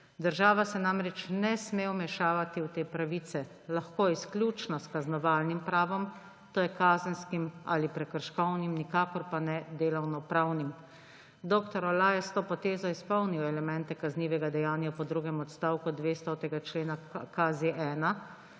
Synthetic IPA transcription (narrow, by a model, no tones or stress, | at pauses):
d̪əɾʒaːʋasɛnamɾɛt͡ʃnɛsmeːɔmɛʃaːʋat̪iwt̪eːpɾaʋiːt̪sɛ | laxkoːisklʲjuːt͡ʃnɔskaznɔʋaːlnimpɾaːʋɔm | t̪oːjɛkaːzənskima̰lipɾɛkəɾʃkɔwnimnikaːkɔɾpanɛd̪eːlɔwnɔpɾawnim | d̪oːkt̪ɔɾɔlaːjɛst̪oːpɔt̪eːzɔispɔwniɔɛlɛmɛnt̪ɛkazniːʋɛɡad̪ɛjaːnjapɔd̪ɾuːɡɛmɔt̪st̪aːwkud̪ʋeːst̪ɔt̪ɛɡat͡ʃleːnakazeʔɛːna